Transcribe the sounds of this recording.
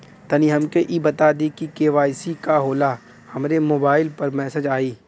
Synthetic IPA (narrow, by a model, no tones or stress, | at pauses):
t̪ɐniɦɐmkeʔibɐt̪ad̪ikikeːʋaːɪsikaɦoːla | hɐmɾemoːbaːɪlpɐɾmɛːsəd͡ʒaːiː